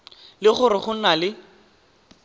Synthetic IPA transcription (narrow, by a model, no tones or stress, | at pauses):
lɪχʊɾɪχʊn̩nalɪ